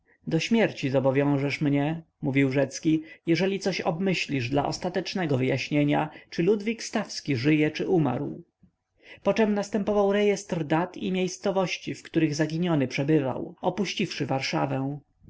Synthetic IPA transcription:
d̪ɔɕmʲjɛɾt͡ɕizɔbɔvʲjɔ̃w̃ʐɛʂmɲɛ | muvʲiwʐɛt̪skʲijɛʐɛlʲit̪sɔɕɔ̰bmɘɕlʲiʐd̪la̰ʔɔst̪at̪ɛt͡ʂnɛɡɔvɘjaɕɲeɲa̰t͡ʂɘlud̪vʲikst̪afskʲiʐɘjɛt͡ʂɘʔuma̰ɾw | pɔt͡ʂɛmnast̪ɛmpɔvawɾɛjɛst̪ɾd̪at̪ʰḭmʲjejst̪sɔvɔɕt͡ɕifkt̪uɾɘɣzaɡʲiɲɔnɘpʂɛbɘva̰wɔpuɕt͡ɕifʂɘvaɾʂavɛ̃w̃

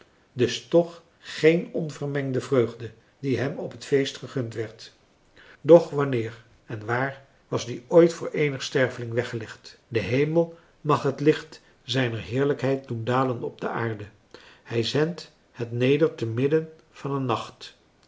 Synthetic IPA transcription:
dɵstɔχ | χejnɔnvəɹmɛŋdəvrøɥχdə | diɦɛmɔpɦətfejstχəχɵntʋɛɹt | dɔχʋɑnɪːɹ | ɛnʋaːɹ | ʋɑzdiojtfʊːɹʔejnəχstɛɹvəlɪŋʋɛχəlɛχtdəɦejməlˠ | mɑχɦətlɪχt | zɛjnəɹɦɪːɹləkɦɛjt̚dundaːlənɔb̚dəʔaːɹdə | hɛjzɛnt | hətnejdəɹtəmɪdən | v̥ɑnənːɑχt

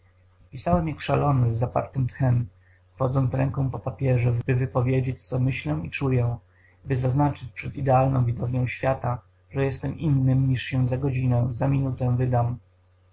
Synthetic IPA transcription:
pʲisawɛmjakʂalɔnɘzːapa̰ɾt̪ɘmt̪xɛm | fɔd̪zɔnt̪sɾɛŋkɔ̃w̃pɔpapʲjɛʐɛbɘvɘpɔvʲjed͡ʑet͡ɕt̪sɔmɘɕlɛw̃it͡ʂujɛ̃ | bɘzaznat͡ʂɘt͡ɕpʂɛd̪id̪ɛalnɔ̃w̃vʲid̪ɔvɲɔ̃w̃ɕfʲjat̪a | ʐɛjɛst̪ɛminːɘmɲiʂɕɛzaɡɔd͡ʑinɛzamʲinut̪ɛvɘd̪am

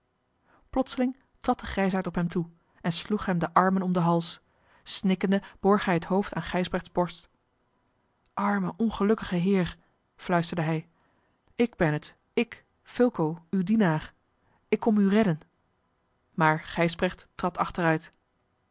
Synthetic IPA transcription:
plɔtsəlɪŋ | trɑt̚dəχrɛjsaɹtɔpɦɛmtʰu | ɛnsluχɦɛmdəʔɑɹmənɔmdəɦɑlˠs | snɪkəndəb̥ɔɹχɦɛjɦətɦowftaːnχɛjzbrɛχtzbɔɹst | ʔɑɹməʔɔnχəlɵkəχəɦɪːɹ | flœɥstəɹdəɦɛj | ɪɡbɛnət | ɪk | fɪlˠkowywdinaːr | ɪkːɔmyrɛdən | maːɹχɛjzbrɛχttrɑtʰɑχtərœɥt

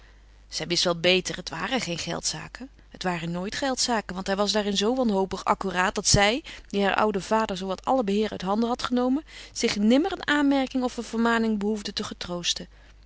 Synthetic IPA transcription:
z̥ɛjʋɪstʋɛlˠbejtərɦətʋa̰ːrəχejnχɛ̰lˠtsa̰ːkən | ɦətʋaːrənoːjtχɛlˠtsaːkənʋɑntɦɛjʋɑsdaːrɪnzowʋɑnɦowpəχɑ̰kyraːt̚dɑtsɛjd̥iɦaːɹʔʌ̰wdəv̥aːdəɹzowʋɑtɑ̰ləbəɦɪːɾœ̰ɥtɦɑndəɦɑtχənowmənz̥ɪχnɪmərənaːnmɛɹkɪŋɔfəvəɹmaːnɪŋbəɦuvdətəχətrowstə

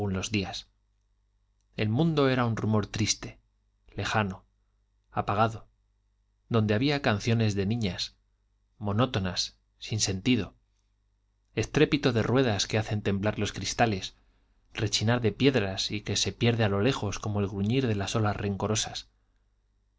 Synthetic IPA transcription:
unlo̞zðias | e̞lmũnd̪o̞e̞ɾaunrumo̞ɾt̪ɾist̪e̞ | le̞xano̞ | apaɣaðo̞ | ðo̞nd̪e̞aβiakanθjo̞ne̞zðe̞nĩɲas | mo̞no̞t̪o̞nasː | inse̞nt̪iðo̞ | e̞st̪ɾe̞pit̪o̞ðe̞rwe̞ð̞aske̞aθe̞nt̪e̞mblaɾlo̞skɾist̪ale̞s | re̞t͡ʃinaɾðe̞pje̞ðɾasike̞se̞pje̞ɾðealo̞le̞xo̞sko̞mo̞elɣɾuɲiɾðe̞laso̞lasre̞ŋko̞ɾo̞sas

